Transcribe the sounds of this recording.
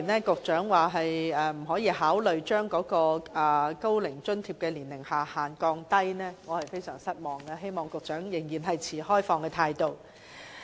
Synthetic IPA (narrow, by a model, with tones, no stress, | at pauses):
nɛː˥kʊ˨k̚t͡ʃœː˨˥ŋwaː˨˩ɦɐ˨jɛː˨m̩˨˩hɔː˨˥jiː˨˧ɦaː˨˥wlɵ˨ɥt͡ʃœː˥ŋkɔː˨˥kɔː˧ɛ˨˩ko˥wlɪ˨˩ŋt͡ʃɵ˥nt̪ʰiː˧˩p̚kɛː˧liː˨˩nlɪ˨˩ŋhaː˨˩haː˨nkɔː˧ŋt̪ɐ˥jnɛː˥ŋɔː˨˧hɐ˨˩jfe˥jsœː˨˩ŋsɐ˥t̚mɔː˨˩ŋɡɐ˧he˥jmɔː˨ŋkʊ˨k̚t͡ʃœː˨˥ŋjɪ˨˩ŋjiː˨˩nɦɐ˨jt͡sʰiː˨˩hɔː˥jfɔː˧ŋkɛː˧t̪ʰaː˧jt̪o˨˧w